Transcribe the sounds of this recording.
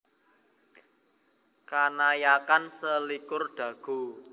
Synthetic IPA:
kanajakansəlikʊrɖ̪̥ä̤ɡ̥o̤

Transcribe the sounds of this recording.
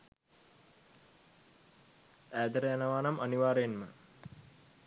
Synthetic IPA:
æːd̪əɾəjanəʋaːnamʔɐniʋaːɾenmə̰

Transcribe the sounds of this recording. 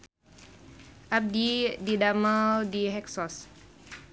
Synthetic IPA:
ʔap̚dididaməldiɦɛksɔs

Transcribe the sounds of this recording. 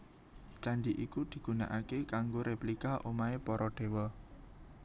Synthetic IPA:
t͡ʃandiʔikud̪̥i̤ɡ̥ṳna̰ʔakekaŋɡoɾeplikaʔomaepɔɾɔɖ̪̥e̤wɔ

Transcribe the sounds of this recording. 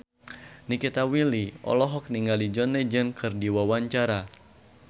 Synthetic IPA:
nikit̪awiliɔ̰lɔɦɔk̚niŋɡalid͡ʒɔnɛd͡ʒənkɨrdiwawaɲt͡ʃaɾa

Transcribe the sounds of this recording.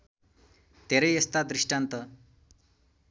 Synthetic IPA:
t̪eɾejest̪ad̪ɾiʂʈant̪ə

